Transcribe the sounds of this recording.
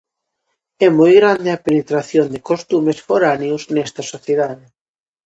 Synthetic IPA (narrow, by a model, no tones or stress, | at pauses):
ɛmojɣɾand̪eɐpenet̪ɾaθjond̪ekost̪umesfoɾaneuznɛst̪ɐsoθjeðaðe